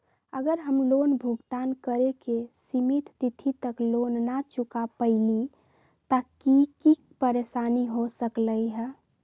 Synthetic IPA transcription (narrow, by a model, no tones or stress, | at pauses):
əɡəɾɦəmlonbʱuɡt̪ankəɾekesimit̪ːit̪ʰit̪əklonːat͡ʃukapəɪli | t̪əkiki | pəɾesaniɦosəkləiɦə